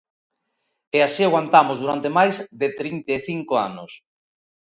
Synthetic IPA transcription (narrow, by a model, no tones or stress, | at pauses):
easiaɣwant̪amʊzðuɾant̪emajzðɪt̪ɾint̪eeθiŋkoa̰nʊs